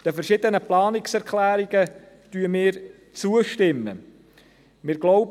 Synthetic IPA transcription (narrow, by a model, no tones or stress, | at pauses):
d̥əfɛɾʃɪd̪ənəplɑːnɪksɛɾkχlæːɾiɡ̥ə | t̪yəmɪːɾ | t͡suəʃtɪmːə̰ | mɪːɾɡlɔʊb